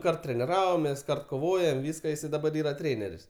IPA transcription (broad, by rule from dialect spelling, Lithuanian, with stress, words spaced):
ˈkɐrt tʲrʲɛnʲɪˈrɑːʋoːmʲeːs koːˈʋoːjoːm ˈʋʲiːskɐ ˈjɪsɐɪ dɐˈbɐr ˈiːrɐ ˈtʲrʲeːnʲɛrʲɪs